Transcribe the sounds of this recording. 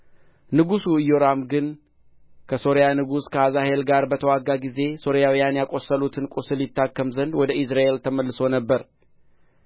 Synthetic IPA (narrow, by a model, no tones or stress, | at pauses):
nɨɡusuɨjːoɾamɡɨn | kʰəso̞ɾjanɨɡuskʰəazahe̞lɡaɾbət̪ʰəwaɡːaɡize̞so̞ɾijawijanjakʼo̞sːəlut̪ʰɨnkʼusɨljɪt̪ːakːəmzənd̪wɔd̪əʔɪsɾaʔe̞lt̪ʰəməlːɨsonəbːəɾ